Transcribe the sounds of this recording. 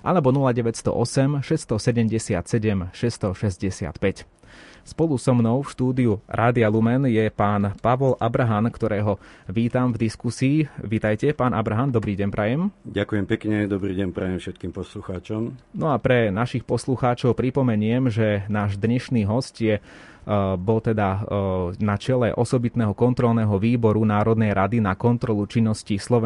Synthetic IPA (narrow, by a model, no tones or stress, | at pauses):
ʔa̰lɛbɔnulaɟɛʋɛcst̪ɔ̰ʔɔsɛmʃɛst̪ɔsɛɟɛmɟɛsɪa̰t̪sɛɟɛmʃɛst̪ɔʃɛzɟɛsɪa̰t̪pɛc | spɔlusɔmnɔʊfʃt̪uːd̪iuɾʔaːd̪ialumɛnjɛpaːnpaʋɔlʔabɾaɦankt̪ɔɾɛːɦɔʋiːt̪amvd̪iskusiːʋiːt̪ajcɛpaːnʔa̰bɾaɦand̪ɔbɾiːɟɛɲpɾajɛmɟakujɛmpɛkɲɛd̪ɔbɾiːɟɛɲpɾajɛmfʃɛt̪̚kiːmpɔsluxaːt͡ʃɔmnɔapɾɛnaʃixpɔsluxaːt͡ʃɔʊpɾipɔmɛɲʊɛmʒɛnaːʒd̪ɲɛʃniːɦɔscjɛ | bɔlt̪ɛd̪a | nat͡ʃɛlɛʔɔsɔbit̪nɛːɦɔkɔnt̪ɾɔlnɛːɦɔʋiːbɔɾunaːɾɔd̪nɛjɾad̪inakɔnt̪ɾɔlut͡ʃinːɔscislɔʋɛ